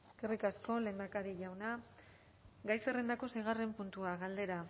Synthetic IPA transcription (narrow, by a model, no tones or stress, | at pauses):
eskerikasko̞le̞ːnd̪akaɾiʎawna | ɡajsere̞nd̪ako̞sejɣ̞are̞mpunt̪uaɣald̪e̞ɾa